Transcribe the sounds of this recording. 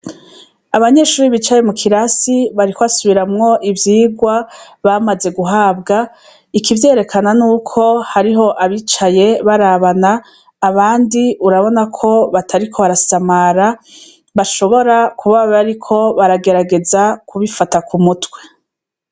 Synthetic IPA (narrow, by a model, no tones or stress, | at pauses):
aβaɲe̞ʃuːɾiβit͡ʃaje̞mukʰiɾasiβaɾikʰoβasuβiɾamŋo̞ʔivjiːɡwa | βamaze̞ɡuɦaːbɡa | ikʰivje̞ːɾe̞kʰananuːkʰo̞haɾiɦo̞ʔaβiːt͡ʃaje̞βaɾaβanaː | βaːndiʔuɾaβo̞nakʰo̞βatʰaɾikʰo̞βaɾasamaɾa | βaʃo̞βo̞ɾakʰuβaββaɾikʰo̞βaɾaɡe̞ɾaɡe̞zakʰuβifatakumutwe̞